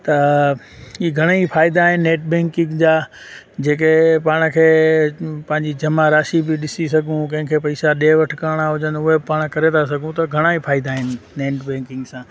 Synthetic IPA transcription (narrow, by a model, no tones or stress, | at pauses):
t̪ɐ | iɡʱɐɽ̃aifaːɪd̪aːɦɪnɪːeːʈ̚bẽːŋkɪ̃ŋɡd͡ʑaː | d͡ʑeːkepaːɽ̃kʰeː | pɐ̃ɦɪ̃ɲd͡ʑid͡ʑɐmaɾaːʃibɪɗɪsisɐɡʱũk̬ɐ̃ɦɪ̃kʰepɐɪsaɗeːʋɐʈʰkəɾɽ̃aɦʊd͡ʑənʊɦepaːɽ̃kɐɾet̪ʰasɐɡʱũt̪ɐɡʱɐɽ̃aifʰaːɪd̪aːɦɪnɪːeːʈbɛ̃ːŋkɪ̃ŋɡsãː